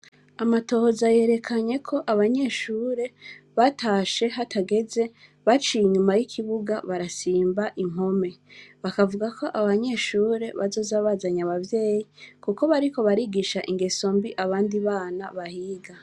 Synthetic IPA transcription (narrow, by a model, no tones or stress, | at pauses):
amato̞hozaje̞ːɾe̞kʰaɲe̞kʰo̞ʔaβaɲe̞ʃuːɾe̞βatʰaːʃe̞ɦatʰaɡe̞ze̞ | βat͡ʃiiɲumajikʰiβuɡaβaɾasiːmbaʔiŋ̥ho̞me̞βakavuɡakʰo̞ʔaβaɲe̞ʃuːɾe̞βazo̞zaβazaɲaβavje̞ːjikuko̞βaɾiko̞βaɾiɡiʃaʔiŋɡe̞so̞mbiʔaβaːndiβaːnaβahiːɡa